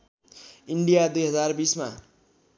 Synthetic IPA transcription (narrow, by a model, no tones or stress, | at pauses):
iɳɖijad̪ujɦʌd͡zarbisma̰